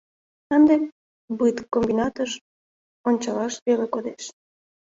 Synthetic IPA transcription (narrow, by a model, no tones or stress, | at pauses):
ənd̪em | bɨt̪kːombinɑt̪əʃ | onʲt͡ɕɑlɑʃβelekod̪eʃ